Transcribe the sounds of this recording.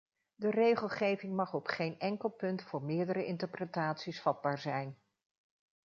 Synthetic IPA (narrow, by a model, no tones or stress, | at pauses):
dərejχəlˠχejvɪŋmɑχɔpχejnɛŋkəlˠpɵntfʊːɹmɪːɹdəɾəʔɪntəɹprətaːtsisfɑd̚baːɹzɛjn